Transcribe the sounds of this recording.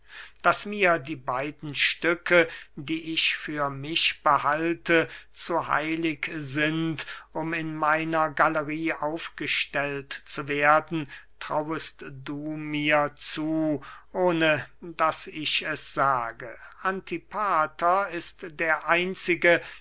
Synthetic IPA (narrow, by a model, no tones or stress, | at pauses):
d̥asmiːɐdiːbaɪdn̩ʃtʏkʰədiːʔɪçfyːɐmɪçb̥əhaltʰət͡suha̰ɪlɪkzɪntʔʊmɪnmaɪnɐɡaləʁiːʔaʊfɡ̥əʃtɛltt͡suveːɐdn̩tʁ̥a̰wəstd̥uːmiːɐt͡suːʔoːnədasɪçɛsz̥aːɡəʔantʰipʰaːtɐɪstd̥eːɐʔaɪnt͡sɪɡə